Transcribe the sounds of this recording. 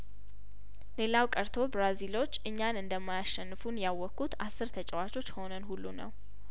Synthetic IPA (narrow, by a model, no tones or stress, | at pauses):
le̞lawkʼəɾt̪ʰo̞bɾazilo̞t͡ʃːɨɲːanɨnd̪əmːajaʃɛnːɨfunjawːɔkːut̪asːɨɾt̪ʰət͡ʃʼɛwat͡ʃʼo̞t͡ʃːho̞nənhulːunə̰w